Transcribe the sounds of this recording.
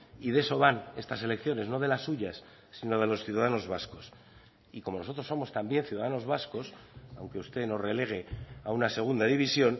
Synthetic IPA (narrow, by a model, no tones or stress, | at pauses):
iðe̞so̞βane̞st̪ase̞le̞kθjo̞ne̞zno̞ð̞e̞lasːuʝasː | ino̞ð̞e̞lo̞sθjuðaðano̞zβasko̞s | iko̞mo̞no̞so̞t̪ɾoso̞mo̞st̪ambje̞nθjuðaðano̞zβasko̞sa̰wŋkeust̪e̞no̞zre̞le̞ɣ̞e̞aunase̞ɣ̞und̪aðiβisjo̞n